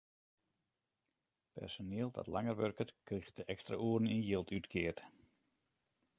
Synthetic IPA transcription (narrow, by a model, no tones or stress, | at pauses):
pɛ̰rsonɪəlˠdɔ̰tlaŋərʋørkətkrixdəʔɛkstra̰ʔuərninjɪlˠtʰytkʰɪərt